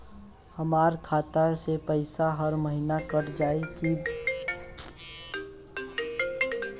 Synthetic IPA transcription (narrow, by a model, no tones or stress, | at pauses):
həmaːɾkʰaːt̪asepəɪsaɦəɾməɦinakəʈd͡ʒaːeki